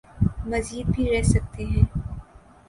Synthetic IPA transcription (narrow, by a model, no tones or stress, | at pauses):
mɐziːd̪̚bʱiɾɛɦsɐk̚t̪eɦɛ̃ː